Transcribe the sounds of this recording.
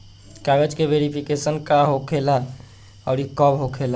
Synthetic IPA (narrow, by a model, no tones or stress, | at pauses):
kaʋed͡ʒkeʋeɾipʰikesənkaɦokʰela | ɔɾikɔbɦokʰela